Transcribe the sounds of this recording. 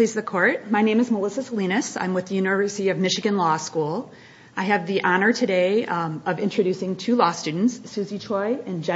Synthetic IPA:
lizðɨkʰɔɹt̚maɪnẽɪ̃mɨzməlɪsɨslĩñɨsã̰ɪ̃mwɨðɨjʉnɨvɜ˞sɨɾiʌvmɪʃɨɡɨ̃nlɔskulˠ | ʔaɪɨvðiʔɑnə˞tʰɨdeɪʌvɪ̃nt͡ʃɹ̥ɨɾʉsɪ̃ŋtʰʉlɔstʉdⁿn̩tsːʉzit͡ʃʰɔɪɨ̃nd͡ʒɛ

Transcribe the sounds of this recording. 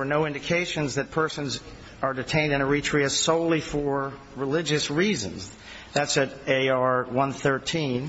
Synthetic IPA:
ə˞noʊɪ̃ndɨkʰeɪʃɨ̃nzðɨt̚pʰɜ˞sə̃nz | ʔə˞dɨtʰẽɪ̃ndɨ̃ñəɹitʰɹ̥iɨz̥soʊlˠifə˞ | ɹɪlɪd͡ʒɨsɹizɨ̰̃nz | ðætsɨɾeɪɑɹwʌ̃nθɜ˞tʰĩn

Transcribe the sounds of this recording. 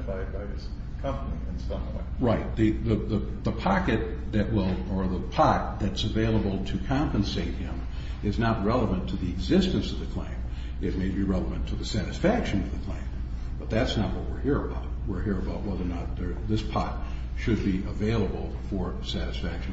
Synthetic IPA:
faɪd̚baɪɪskʰʌ̃mpəniɨ̃nsʌ̃mɛ̰ɹaɪt̪̚ðɨðɨðə | ðəpʰɑkɨt̪̚ðɨʔ̚wɪlˠə˞ðəpʰɑt̪̚ðɨtsɨveɪlˠəbl̩ˠtʰɨkʰɑ̃mpɨ̃nseɪt̚hɪ̃m | ɨznət̚ɹɛlˠəvɨ̃ntʰɨðiɨɡzɪstɨ̃nsʌvðɨkʰl̥ḛ̃ɪ̃m | ɨt̚meɪbiɹɛlˠəvɨ̃ntʰɨðɨsæɾɨsfækʃɨ̃nʌvðɨkʰl̥ḛ̃ɪ̃m | b̥ʌt̪̚ðætsnət̚wʌt̚wɪɹhiɹɨbaʊt̚wɪɹɦiɹɨbaʊt̚wɛðə˞nət̪̚ðə˞ðɪspʰɑ̰t̚ | ʃɨd̚biʔəveɪlˠəbl̩ˠfə˞ | sæɾɨsfækʃɨ̃

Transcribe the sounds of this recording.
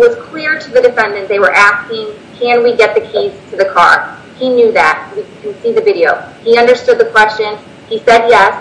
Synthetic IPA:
wʌz̥kʰl̥ɪɹɾɨðɨdɨfɛ̃ndɨ̃nðeɪwə˞ʔæskɪ̃ŋkʰɨ̃nwiɡɛt̪̚ðɨkʰiz̥tʰɨðɨkʰɑ̰ɹ | injʉðæt̚wikʰɨ̃n̩siðɨvɪɾioʊ | iʌ̃ndə˞stʊd̪̚ðəkʰw̥ɛst͡ʃɨ̃n | isɛd̚jɛs

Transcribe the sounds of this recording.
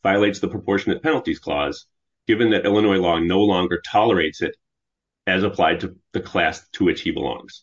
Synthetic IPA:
v̥aɪəleɪtsðəpʰɹ̥əpʰɔɹʃɨnɨt̚pʰɛnl̩ˠtiz̥kʰl̥ɔ̰z̥ | ɡ̥ɪvɨ̃nðɨɾʔɪlˠənɔɪlɔnoʊlɔ̃ŋɡə˞tʰɑlˠə˞eɪtsɨɾ | ɨzəpʰl̥aɪd̚tʰɨðɨkʰl̥æstʰəwɨt͡ʃhibə̰lɔ̰̃ŋz̥

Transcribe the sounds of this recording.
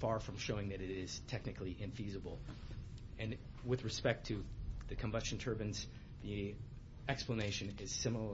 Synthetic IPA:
fɑɹfɹʌ̃mʃoʊɪ̃ŋðɨɾɨɾɪz̥tʰɛk̚nɨkliʔɪ̃ɱfizəbl̩ˠ | ɨ̃n | wɨðɹɨspɛk̚tʰɨðɨkʰɨ̃mbʌst͡ʃn̩tʰɜ˞bɨ̃nz̥ | ði | ɛkspləneɪʃɨ̃nɪz̥sɪ̃ml̩ˠə

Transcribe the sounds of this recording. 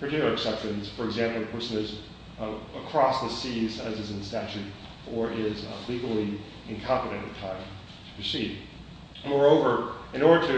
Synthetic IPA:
pʰɹə˞tɪkjl̩ˠə˞ɨksɛpʃɨ̃nz̥fə˞ɨɡzæ̃mpl̩ˠpʰɜsɨ̃nɨz | əkʰɹ̥ɔsðɨsizɨzɨzɨ̃nstæt͡ʃʉɾ | ə˞ʔɪzliɡl̩ˠi | ɨ̃nkʰɑ̃mpɨɾɨ̃ntɨ̰tʰãɪ̃m | tʰə̥pʰɹ̥isid̚ | mɔɹoʊvə˞ɨ̃nɔɹɾə˞ɾɨ

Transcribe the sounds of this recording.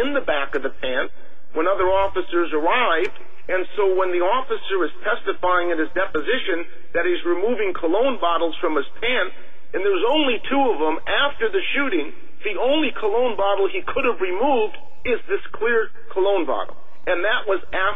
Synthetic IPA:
ɨ̃nðɨbækʌvðɨpʰæ̃nt̚ | wə̃nʌðə˞ɔfɨsə˞zə˞aɪvd | ɨ̃nsoʊwə̃nðiɔfɨsə˞ɨz̥tʰɛstɨfaɪɪ̃ŋɨ̃nɨzdɛpɨzɪʃɨ̃n | ðɨɾɨzɹimuvɪ̃ŋkʰəlõʊ̃nbɑɾl̩ˠz̥fɹʌ̃mɨz̥pʰæ̃nt | ɨ̃nðə˞wʌzõʊ̃nlitʰuʌvə̃m | æftə˞ðɨʃʉɾɪ̃ŋ | ðiõʊ̃nlikʰəlõʊ̃nbɑɾl̩ˠikʰʊɾɨvɹimuvd | ɪzðɪskʰl̥ɪɹ | kʰəlõʊ̃nbɑ̰ɾl̩ˠ | ɨ̃nðɨʔ̚wʌz | æ

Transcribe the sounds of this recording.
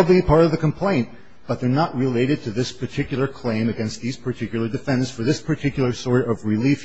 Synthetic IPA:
blipʰɑɹɾʌvðɨkʰm̩pʰl̥ẽɪ̃n | b̥ʌt̪̚ðə˞nəʔ̚ɹɪleɪɾɨd̚tʰɨðɪspʰə˞tʰɪkjl̩ˠə˞kʰl̥ẽɪ̃mɨɡɛ̃nst̪̚ðiz̥pʰə˞tʰɪkjl̩ˠə˞dɨfɛ̃ndɨ̃nsfə˞ðɪspʰə˞tʰɪkjl̩ˠə˞sɔɹɾʌvɹɪlif

